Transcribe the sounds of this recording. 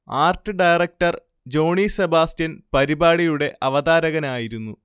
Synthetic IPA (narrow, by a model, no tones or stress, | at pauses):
aːrʈɨɖɐjrɐk̚ʈɐr | d͡ʑo̞ːɳisebaːstjɐnpɐɾibaːɽijuɽe̞ʔʔɐʋɐd̪aːɾɐɣɐnaːjiɾunːu